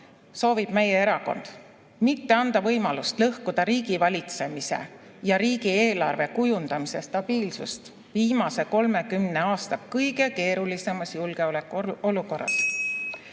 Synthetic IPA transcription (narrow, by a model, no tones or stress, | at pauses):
so̞ːvib̥me̞jee̞ɾɑko̞̰nd̪̥ | mit̪ːe̞ɑnd̪̥ɑvɤjmɑlust̪lɤhkud̪̥ɑɾiːɡ̥ivɑlʲit̪se̞mise̞̰ | jɑɾiːɡieːlɑrve̞kujund̪̥ɑmise̞st̪ɑb̥iːlsṵst̪ | viːmɑse̞ko̞lme̞kymne̞ɑːst̪ɑkɤjɡe̞ke̞ːɾulise̞mɑsjulɡ̥e̞olekːˑuo̞luko̞rːɑ̰s